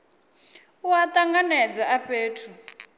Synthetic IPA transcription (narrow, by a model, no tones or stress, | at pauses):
watʼaŋɡanɛd͡zaaɸʼeːtʰu